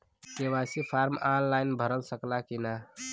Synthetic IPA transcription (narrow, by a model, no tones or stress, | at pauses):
kewasipʰaɾmanlaɪnbʱəɾəlsəklakina